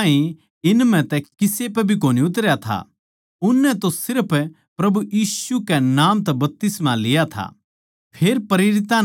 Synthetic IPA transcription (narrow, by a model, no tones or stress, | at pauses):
ĩ | ɪnmɛ̃t̪ɛkɪsepɛbʱik̬oːniʊt̪̬əɾjat̪ʰa̰ | ʊnːɛ̃t̪osɪɾpʰ | pɾɐbujiːsukɛnaːmt̪̬ɛbɐp̚t̪ɪsmalɪjat̪ʰa̰ | pʰeːɾpɐɾeːɾɪt̪ã